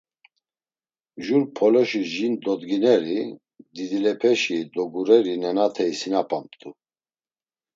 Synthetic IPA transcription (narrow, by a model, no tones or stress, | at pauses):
ʒunpʰɔlɔʃiʒind̪ɔd̪ɡinɛɾi | d̪id̪ilɛpʰɛʃid̪ɔɡuɾɛɾinɛnat̪ʰɛisinapʼampt̪ʼu